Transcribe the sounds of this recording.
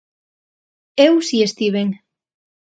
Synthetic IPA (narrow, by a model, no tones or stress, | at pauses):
ewsiest̪iβeŋ